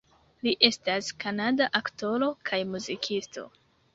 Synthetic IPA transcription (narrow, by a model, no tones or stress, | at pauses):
liʔe̞staskanadaʔakto̞ɾo̞kʰajmuzikʰisto̞̰